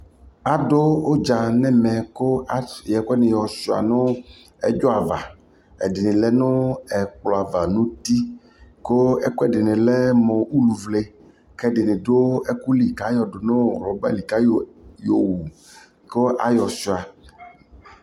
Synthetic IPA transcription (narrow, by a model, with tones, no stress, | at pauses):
a˨do˦o˦d͡ʒa˨nɛ̃˦mɛ̃˨ko˦jɛ˨ko˦ɛ˦nẽ˨jɔ˨si˨a̰˨nʊ̃˦ | ɛ̰˦d͡ʒo˦a˨va˨ | ɛ̰˨dɪ˨nɪ̃˨lɛ˦nʊ̃˦ɛ˨k͡plɔ˨a˨va˨nũ˦t̪i˦ | ko˦ɛ˦ko˦ɛ˦dɪ˨nẽ˨lɛ˦mɔ̃˨u˦lu˨vle˦ | kɛ˦ɖɪ˨nẽ˨ɖo˦ɛ˦ku˦li˨ka˦jɔ˨do˨nõ˦˨lɔ˨ba̰˦li˨ka˦jjo˨wu˨ | ko˦ʔa̰˦jɔ˨si˨a˨